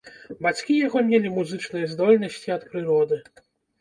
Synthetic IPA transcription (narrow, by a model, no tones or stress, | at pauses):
bat͡sʲkʲijaɣɔmʲelʲimuzɨt͡ʂnɨjɛzd̪ɔlʲnɐsʲt͡sʲiɐt̪pɾɨɾɔd̪ɨ